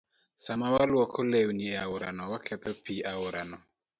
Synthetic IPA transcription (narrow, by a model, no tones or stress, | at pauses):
samawalwɔkʰɔlewnieaʊɾanɔwakʰɛt̪ɔpiaʊɾanɔ